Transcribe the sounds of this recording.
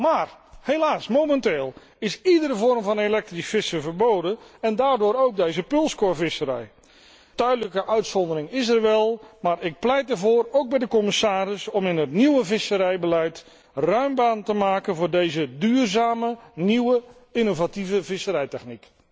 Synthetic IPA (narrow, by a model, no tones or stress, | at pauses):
maːrhelaːsmomɛnteːlˠ | ɪsidəɾəvɔrmvɑnelɛk̚trisfɪsəvərbowdənɛndaːrdʊːɾowk̚dejzəpɵlˠskoɹvɪsəɾɛ̰j | tœɥdələkəʔœɥtsɔndəɾɪŋɪs̬ərʋɛlˠmaːrɪk̚plɛjt̚dərvoːrowk̚bɛjdəkɔmɪsaːɾɪsɔmɪnɦətniwəvɪsəɾɛjbəlɛjt | rœɥmbaːntəmaːkənvʊːrdejzədyːrzaːməniwə | ɪnovativəvɪsəɾɛjtɛχnik